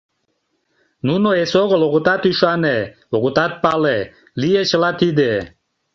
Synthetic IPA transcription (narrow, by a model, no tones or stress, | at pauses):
nunoesoɣəloɣət̪at̪yʃane | oɣut̪at̪̚pale | lijet͡ʃəlat̪id̪e